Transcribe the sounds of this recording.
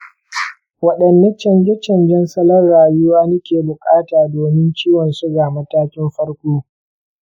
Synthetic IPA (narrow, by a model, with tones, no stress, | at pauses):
wɐ˨ɗɐ˨nːɐ˦t͡ʃɐ˨nd͡ʒɛ˦t͡ʃɐ˨nd͡ʒɛ˦nsɐ˦lɐ˦rːaː˨jʊ˦waː˦nɪ˦kʲeː˨bʊ˨kʼaː˦taː˨doː˨mɪ˦nt͡ʃiː˦wɔ˨nsʊ˦ɡaː˨mɐ˦taː˦kʲɪ˦mɸɐ˦rkʷoː˦